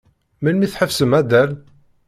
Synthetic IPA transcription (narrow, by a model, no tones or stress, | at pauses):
milmiθħəfsəmæd̪æl